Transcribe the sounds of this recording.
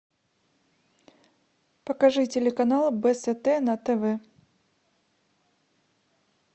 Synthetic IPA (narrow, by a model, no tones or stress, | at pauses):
pəkɐʐɨtʲɪlʲɪkɐnalˠbɛsɛt̪ɛnɐt̪ɛvɛ